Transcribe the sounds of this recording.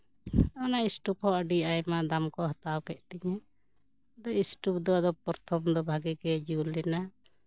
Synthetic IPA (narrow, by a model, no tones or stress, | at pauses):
ɔnaisʈup̚hɔəɖiajmad̪amkɔɦat̪awkɛʔt̪ɛɲɛ | d̪ɔisʈup̚d̪ɔad̪ɔpɔɾt̪ʰɔmd̪ɔbʱaɡɛɡɛd͡ʒulɛna